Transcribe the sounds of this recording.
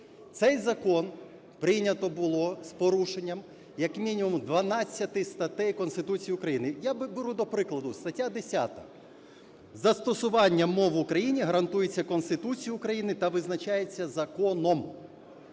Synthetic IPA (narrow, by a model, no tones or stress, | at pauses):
t̪sɛjzɐkɔn | pɾɪjnʲɐt̪ɔbʊlˠɔspɔɾuʃenʲːɐm | jɐkmʲinʲimʊmd̪ʋɐnɑt͡sʲːɐt̪ɪst̪ɐt̪ɛjkɔnst̪ɪt̪ut͡sʲijiʊkɾɐjinɪjabbeɾud̪ɔpɾɪklˠɐd̪ʊst̪ɐtʲːad̪esʲa̰t̪ɐ | zɐst̪ɔsʊʋɑnʲːɐmɔʋʊkɾɐjinʲiɦɐɾɐnt̪ujet͡sʲːɐkɔnst̪ɪt̪ut͡sʲijʊʊkɾɐjinɪt̪ɐʋɪznɐt͡ʃajet͡sʲːɐzɐkɔnɔm